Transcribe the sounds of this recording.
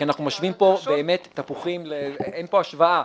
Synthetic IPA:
ianaχnumaʃvimpo̞beːmet̪ːapuχimleenpo̞aʃvaʔa

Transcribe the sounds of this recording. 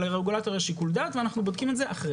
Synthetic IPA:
eʁeɡulat̪oʁeʃikuld̪at̪veanaχnubod̪kimetzeʔaχʁe

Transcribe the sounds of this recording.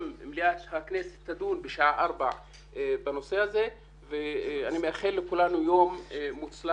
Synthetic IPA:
mmliat̪haknese̥t̪ːad̪unbeʃaʔaʔaʁba̰ | bano̞se̞haze̞ | veanimeaχelːekulanujo̞mːut͡sla

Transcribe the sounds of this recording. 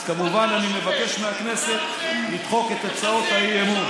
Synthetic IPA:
kamuvananimevake̞ʃmeakne̞se̞t̪ | lid̪χo̞ke̞t̪at͡sao̞t̪ajiemu

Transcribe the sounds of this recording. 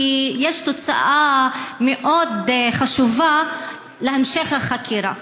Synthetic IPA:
ijeʃt̪ot͡sa̰ʔameʔod̪χaʃuva | lehemʃeχhaχakʰiɾa̰

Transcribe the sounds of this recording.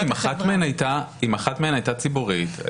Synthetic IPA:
imaχat̪meenajt̪aimaχat̪meenajt̪at͡sibuʁit̪

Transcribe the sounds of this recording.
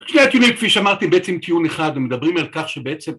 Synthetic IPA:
ʃneat̪jonikfiʃeamaʁt̪imbeet͡semt̪ʰijuneχad̪vemed̪abʁimalkaχʃebeet͡sem

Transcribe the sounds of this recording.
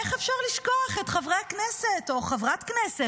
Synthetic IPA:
eχefʃaʁliʃkoaχetχavʁeakneseto̞χavʁatknese

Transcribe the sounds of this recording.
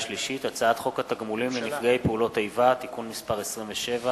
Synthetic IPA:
ʃliʃit̪at͡saat̪χo̞khat̪aɡmulimlenifɡejpeulo̞t̪ajvat̪ikunmispaʁesʁimveʃe̞va

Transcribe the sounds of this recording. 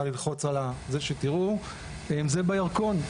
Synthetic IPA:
alilχo̞t͡salazeʃetiʁu | emzebajaʁko̞n

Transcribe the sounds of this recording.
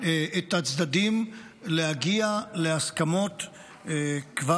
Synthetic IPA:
ʔet̪hat͡sd̪ad̪im | lehaɡiale̞askamo̞t̪ | kva

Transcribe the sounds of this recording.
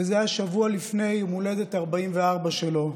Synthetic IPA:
ezeaʃavualifne̞jmule̞detaʁbaimveaʁbaʃelo̞

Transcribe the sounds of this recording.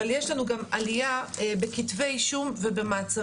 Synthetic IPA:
aljeʃlanuɡamʔalijabekitvejʃumvebemaːt͡sa

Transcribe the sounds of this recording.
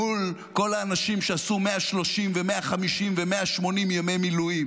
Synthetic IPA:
ul | ko̞laːnaʃimʃeasumeaʃlo̞ʃimvemeaχamiʃimvemeaʃmo̞nimjamejmiluim

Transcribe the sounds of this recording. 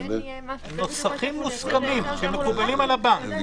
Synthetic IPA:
no̞saχimːuskamimʃemekubalimalabaŋk

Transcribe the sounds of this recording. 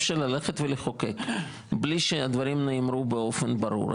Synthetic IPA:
fʃaɾlaleχet̪veleχokek | bliʃead̪vaɾimnemɾubeo̞fenbaɾṵɾ

